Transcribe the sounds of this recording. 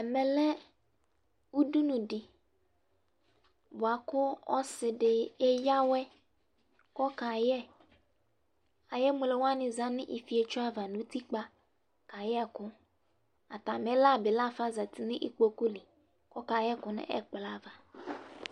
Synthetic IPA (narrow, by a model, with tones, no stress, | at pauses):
ɛ˨mɛ˨lɛ˦ | wu˦du˦nũ˨dɪ˨ | bʊ˨a˨kʊ˦ɔ̰˦sɪ˨ɖɪ˨ɛ˦ja˦wɛ˦ | kɔ˦ka˨jɛ˦ | a˨jɛ˦mʊ̃˨le˨wa˦nɪ̃˨za˦nɪ̃˦ʔi˨fi˨e˨t͡ʃʊ˦a˦va˨nũ˦t̪i˦k͡pa˦ | ka˨jɛ˦˨kʊ˦ | a˨t̪a˨mɛ˦la˦˨bɪ˨la˦˨fa˦za˨t̪i˨nɪ̃˦ʔḭ˦k͡po˨ku˦li˨ | kɔ˦ka˨jɛ˦kʊ˦nɪ̰˦ʔɛ̰˦k͡pla˦˨va˨